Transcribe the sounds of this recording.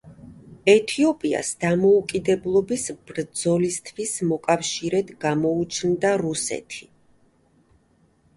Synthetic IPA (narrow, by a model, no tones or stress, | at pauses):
ɛt̪ʰiɔpʼia̰sd̪amɔukʼid̪ɛblˠɔbisb̥ɾd̪zɔlist̪ʰwismɔkʼafʃiɾɛd̪ɡamɔut͡ʃʰnd̪aɾusɛ̰t̪ʰi̥